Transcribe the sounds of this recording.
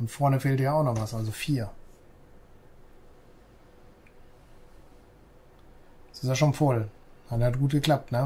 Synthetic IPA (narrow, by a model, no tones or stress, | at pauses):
ʊntfɔɐnəfeːltd̥iːɐaʊxnɔχvasʔalzofiːɐ | sɪstjaʃoːnfɔl | nadhat̚ɡ̥uːt̚ɡ̥əkl̥ap̚tnə